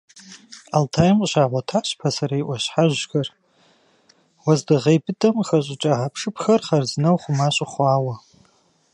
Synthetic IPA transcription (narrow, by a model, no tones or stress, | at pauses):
altʰajɪmqʼɕaʁʷatʰaɕpʰasaɾaiʔʷaɕħaʒɡɐr | wazdɨʁejpʰɨtʰʼɐmχaɕʷʼʊʈ͡ʂʼaʕapʰʂɨpʰxɐrχarznɐwχʷʊmaɕʷʼɪχʷaːwa